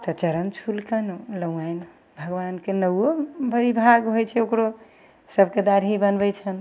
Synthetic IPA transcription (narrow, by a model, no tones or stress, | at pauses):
t̪ɔt͡ʃəɾənt͡ʃʰulkənləũajn | bʱəɡʋankenəobʱəɾibʱaɡɦojt͡ʃʰɛokɾo | səbʱked̪aɾɦibənbɛt͡ʃʰən